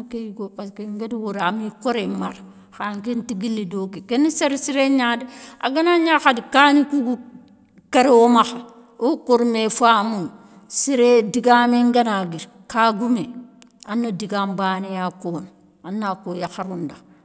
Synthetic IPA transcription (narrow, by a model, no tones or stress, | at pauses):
kejɡopaskeŋɡediwoɾamikoɾemaɾ | xaŋkentiɡilːidoːkikeniseɾsiɾeɲadia̰ɡanaɲaxadikaːnikuɡu | kaɾewomaxa | okoɾmefamun | siɾediɡaːmeŋɡanaɡiɾ | kaɡume | anːodiɡaːmbaːnejakoːn | anːakojaxaɾunda